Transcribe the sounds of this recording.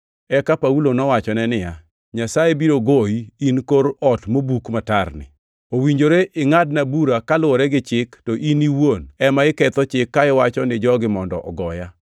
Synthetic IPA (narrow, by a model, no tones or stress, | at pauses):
ɛkapaulonɔwat͡ʃɔnɛnɪja | ɲasajebiɾoɡoiinkoɾɔtmobukmatarnɪ̰ | owiɲd͡ʒoɾeʔɪŋad̚nabuɾakalʊɔɾɛɡɪt͡ʃɪktɔʔiniwonɛmaɪkɛt̪ɔt͡ʃɪkːaɪwat͡ʃɔnɪd͡ʒɔɡɪmɔndɔ̰ʔɔ̰ɡɔja